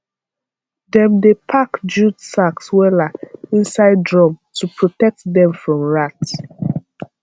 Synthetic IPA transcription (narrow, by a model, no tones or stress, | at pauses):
dɛ̃mdepʰakd͡ʒudsakswɛlaĩnsaɪddɹɔ̃mtupʰɹɔtɛk̚tdɛ̃mfɹɔ̃mɹat